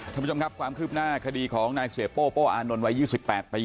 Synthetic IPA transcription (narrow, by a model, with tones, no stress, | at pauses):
a˥˩˧o˧kʰa˦˥p̚kʰwaː˧mkʰɯː˥˩p̚naː˥˩kʰa˧diː˧kʰɔː˩˦ŋnaː˧jsi˨˩˦poː˥˩poː˥˩ʔaː˧no˧nwa˦˥juː˥˩si˨˩t̪̚pɛː˨˩t̪̚pʰa˧